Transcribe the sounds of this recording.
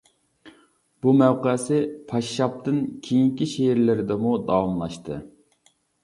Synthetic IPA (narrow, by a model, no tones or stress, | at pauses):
b̥umæwqəsɪpʰɑʃːɑp̚t̪ɨnkʲʰejiŋkʲiʃeɪɾlɪɾɪd̪ɛmud̪ɑwɑmlˠɑʃt̪ɨ̰